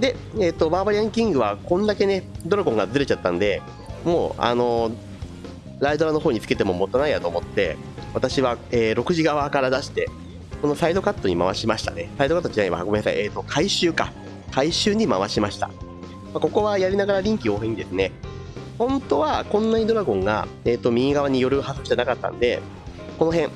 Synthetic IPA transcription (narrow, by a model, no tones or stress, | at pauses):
d̪e̞eːt̪ːo̞baːbaɾiãŋkʲĩŋɡɯ̟βakõ̞nd̪ake̞ne̞d̪o̞ɾokõ̞ŋɡazɨɾe̞t͡ɕat̪ːãnd̪e̞ | mo̞ːa̰no̞ | ɾaid̪o̞ɾano̞ɦo̞ːɲ̟it͡sɨ̥ke̞t̪e̞mo̞mo̞t̪ːonaijat̪o̞ːmo̞t̪ːe̞̰ | βat̪aɕiβaeːɾo̞kɯ̟ʑiɡaβakaɾad̪aɕi̥t̪e̞ | ko̞no̞said̪o̞kat̪ːo̞ɲ̟ima̰βaɕimaɕi̥t̪anesaid̪okat̪ːod͡ʑinaɲiβa̰ɡomeasa̰jeːt̪ːo̞kʰaiɕɨːka̰ | kaiɕɨːɲ̟ima̰βaɕimaɕi̥t̪a̰ | mako̞ko̞βajaɾʲinaɡaɾaɾʲĩŋkʲio̞ːɦẽɲ̟id̪e̞sɨne̞ | hõ̞nt̪o̞βakõ̞nːaɲ̟id̪o̞ɾaɡõ̞ŋɡa̰eːt̪ːo̞mʲiɡaβaɲ̟ijo̞ɾɯ̟hazɨit̪eanakat̪ːã̰nd̪e̞ | ko̞no̞ɦẽ̞ɴ